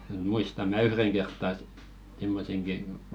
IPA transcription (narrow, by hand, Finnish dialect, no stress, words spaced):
muistɑm̆ mæ yhreŋ kertːɑ et simːoseŋki